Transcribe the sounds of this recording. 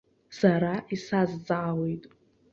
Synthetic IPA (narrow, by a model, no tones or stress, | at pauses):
saɾaʔisazd͡zʼʕawejtʼ